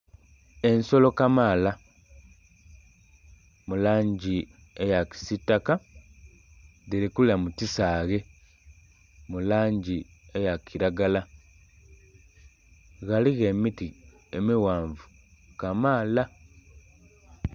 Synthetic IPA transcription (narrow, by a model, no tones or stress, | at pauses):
e̞nso̞lo̞kamaːla | mulaːɲɟi | ejaki̥sitːaka | diɾikuliamutisaːɣe̞ | mulaːɲɟi | ejakiɾaɡala | ɣaliɣemiti | emiwaːɱvu | kamaːla